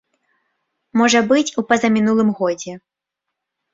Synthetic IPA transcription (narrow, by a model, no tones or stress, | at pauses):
mɔʐɐbɨt͡sʲupɐzɐmʲinulˠɨmɣɔd͡zʲɛ